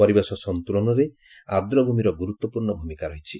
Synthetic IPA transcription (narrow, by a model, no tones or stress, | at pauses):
ɔɾibasɔsɔnt̪ulɔnɔɾe | ad̪ɾɔbʱumiɾɔɡuɾut̪ːɔpuɾɳɔbʱumikaɾɔɦit͡ʃʰi